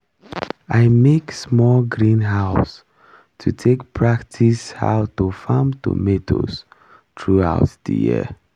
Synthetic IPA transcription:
aɪmeksmɔlɡɹĩnɦaʊs | tʰutʰekpʰɹaktʰisha̰ʊtufamtṵmetʰo̰s | tʰɹua̰ʊtdə̰jḭə

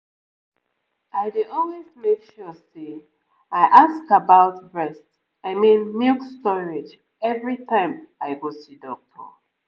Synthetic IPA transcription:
aɪdeɔlwezmekʃɔse | aɪʔaskabaʊtɹɛst | aɪmĩnmikstɔɹed͡ʒ | ɛvɹitʰãɪ̃maɪɡosidɔk̚tʰɔ̰

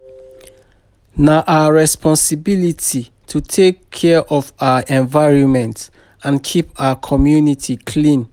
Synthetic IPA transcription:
naʔaəɹɛspʰɔ̃nsibiliti | tʰutʰekʰːɛʔɔvaʊəʔɛ̃nvaɪɹɔ̃nmɛ̃nt | ãnkʰipaəkʰɔmjunitʰikʰlĩn

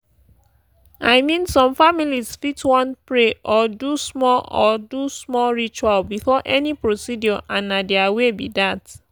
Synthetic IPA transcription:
aɪmĩnsɔ̃mfamilizfitwɔ̃npɹeʔɔdusmɔlɔdusmɔlɹit͡ʃwalbifɔʔɛnipɹosidjɔʔãnːadɛawebḭdat

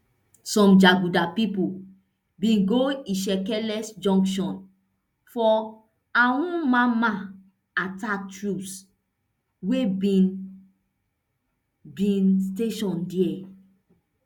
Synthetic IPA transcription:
sɔ̃md͡ʒaɡudapipu | bĩnɡoiʃɛkɛlɛsd͡ʒɔ̃ŋkʃɔ̃n | fɔ | aũmãmã | atak̚tɹups | webĩn | bĩnsteʃɔ̃ndiɛ

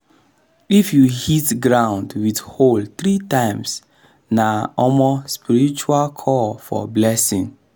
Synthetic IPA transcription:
ifjuhitɡɹãʊ̃ndwidholθɾitãɪ̃ms | naɔmɔspiɹit͡ʃualkʰɔfɔ̰blɛsĩŋ

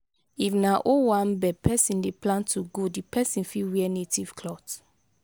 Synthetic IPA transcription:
ifnaʔowãnbɛpʰɛsĩndeplãntʰuɡodipʰɛsĩnfiwɛnetiv̥kʰlɔt

